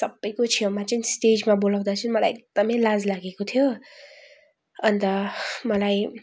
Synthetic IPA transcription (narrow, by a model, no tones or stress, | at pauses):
sʌbʌjkot͡ʃʰijomat͡ʃinsʈed͡ʒmabolaw̃d̪at͡ʃʰunmʌlajek̚d̪̥ʌmʌjlazlaɡekot̪ʰijo | ʌnt̪ʌmʌlaj